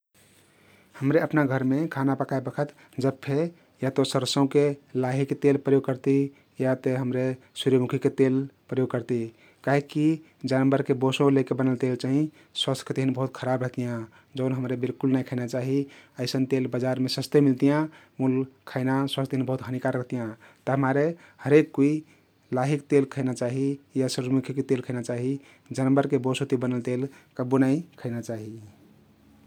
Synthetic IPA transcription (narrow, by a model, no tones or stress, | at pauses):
həmɾeəpnaɡʱəɾmekʰanapəkʰaebəkʰət̪ | d͡ʒəbpʰe | jat̪osəɾəsə̃ũkelaɦiket̪elpɾəjoɡ̚kəɾt̪i | jat̪eɦəmɾe | suɾjəmukʰiket̪elpɾəjoɡ̚kəɾt̪i | kaɦikːi | d͡ʒanəmbəɾkebosõlekebənəlt̪elt͡ʃaɦĩ | swəst̪ʰt̪eɦinbəɦut̪kʰəɾabɾəɦt̪ijã | d͡ʒəʊnɦəmɾebilkulnaikʰənat͡ʃaɦiəɪsənt̪elbəd͡ʒaɾmesəst̪emilt̪ijãmulkʰəɪnaswast̪t̪eɦinbəɦut̪ɦənikaɾəɦt̪ijãt̪əɦəmaɾe | həɾekːui | laɦikt̪elkʰəɪnat͡ʃaɦijasəɾmukʰikt̪elkʰəɪnat͡ʃaɦi | d͡ʒanbəɾkebosõt̪ibənəlt̪elkəbunaikʰəɪnat͡ʃaɦi